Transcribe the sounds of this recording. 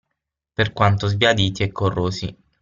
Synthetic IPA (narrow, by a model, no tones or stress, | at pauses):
perkwant̪ozbjad̪iːt̪iɛkʰːorːoːzḭ